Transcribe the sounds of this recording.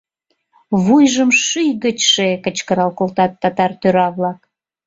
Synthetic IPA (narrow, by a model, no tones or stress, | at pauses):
βujʒəmʃyjɣət͡ɕʃekət͡ɕkəɾɑlkolt̪ɑt̪ːɑt̪ɑrt̪øɾɑβlɑk